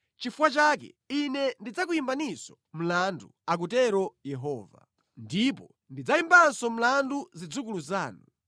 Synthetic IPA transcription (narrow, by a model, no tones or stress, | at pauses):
t͡ʃifuwat͡ʃaːk̬ɛ̰inɛndid͡zak̬ujimbanisɔ̥ | m̩landuak̬utɛɾɔjɛɦɔːva̰ | ndipɔ | ndid͡zaimbansɔm̩landuzid͡zukuluzaːnu